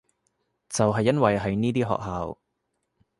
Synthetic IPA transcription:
t͡sɐ˨wɦɐ˨jːɐ˥nwɐ˨jɦɐ˨jniː˥t̪iː˥ɦɔ̰ː˨k̚ɦaː˨˧w

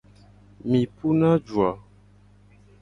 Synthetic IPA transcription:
mĩ˨pu˦na˦d͡ʒwa˨

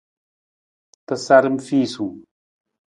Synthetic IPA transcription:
t̪ɐ˨saɾəmfiː˦su˨

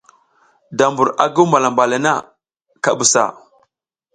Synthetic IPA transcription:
da˨mbu˨ɾa̰˨ɡu˦ma˨la˨mba˨la˨na˦˨ | ka˨bu˨sa̰˨

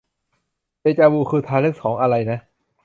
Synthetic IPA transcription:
teː˧˩t͡ɕaː˧wuː˧˩kʰɯː˧t̪ʰaː˧lɯ˦˥˩k̚sɔː˩˦ŋʔa˧ɾa˧jna˦˥

